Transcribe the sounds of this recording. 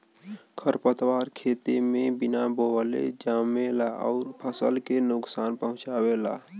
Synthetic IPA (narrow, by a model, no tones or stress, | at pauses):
kʰəɾpət̪waːɾkʰeːt̪emẽbinaboəlḛd͡ʒaːmːelaʔɔ̰ʊɾpʰəsə̰lkenʊksaːnpəɦʊ̃t͡ʃawela